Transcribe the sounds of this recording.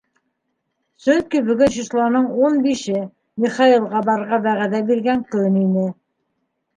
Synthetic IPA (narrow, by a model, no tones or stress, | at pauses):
sɵkibɵ̆ɡɵnɕislˠɑnɤɴunbiʃɘ | miχɑilˠʁɑbɑɾʁɑβæʁæðæbiɾɡæŋkɵninɘ